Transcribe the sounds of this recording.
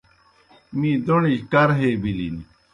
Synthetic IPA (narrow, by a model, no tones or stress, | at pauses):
mĩːd̪onid͡ʑkɐɾɦeːbilḭni